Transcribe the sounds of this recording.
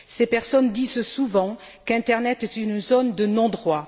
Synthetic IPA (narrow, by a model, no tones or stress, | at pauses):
sepɛʁsɔnd̪izsuvɑ̃ | kɛ̃t̪ɛʁnɛt̪ɛt̪ynzɔnd̪ənɔ̃d̪ʁwa